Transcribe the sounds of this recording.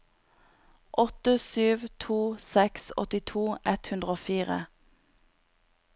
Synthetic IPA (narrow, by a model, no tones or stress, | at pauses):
ʔɔt̪əsyːʋt̪ʰuːsɛksɔ̰t̪ɪt̪ʰuːʔɛt̪hʉnd̪ʁəoːfiːʁə̰